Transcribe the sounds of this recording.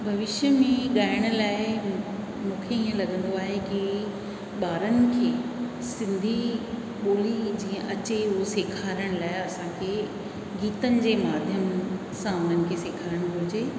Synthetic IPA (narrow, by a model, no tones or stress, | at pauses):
bʱɐʋɪʃjəmẽɠaːɪɽ̃ʊ̆laːɪ | mũːkʰeiːə̃lɐɡə̃nd̪oaːɦeki | ɓaːɾənɪ̆kʰeː | sɪ̃nd̪ʱi | ɓoːlid͡ʑĩːə̃ʔɐt͡ɕeʊɦoseːkʰaːɾəɽ̃laːɪɐsãkʰe | ɡiːt̪ənɪ̆d͡ʑeːmaːd̪ʱjəm | sãʊn̤ənɪ̆kʰeseːkʰaːɾəɽ̃ʊbʱʊɾɪd͡ʑeː